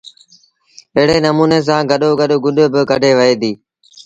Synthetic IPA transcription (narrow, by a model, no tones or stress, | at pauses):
ɪɦɪɽeːnəmuːneːs̬ãːɡəɗoːɡəɗoːɡʊɗbɪkəɖʱeːʋəeːd̪iː